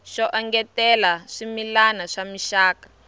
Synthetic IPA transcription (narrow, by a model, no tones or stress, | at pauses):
ʃɔʔɔŋɡɛtɛlaʂimilanaʂamiʃaːkḁ